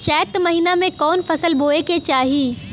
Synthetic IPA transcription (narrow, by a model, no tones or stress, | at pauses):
t͡ʃɛːt̪mɐɦiːnamẽkɔːnfɐsəlbʱoːeket͡ɕaːɦiː